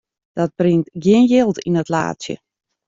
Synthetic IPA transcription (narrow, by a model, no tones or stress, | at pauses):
d̥ɔt̚brintɡjɪənjɪlˠtinətla̰ːtsjə̰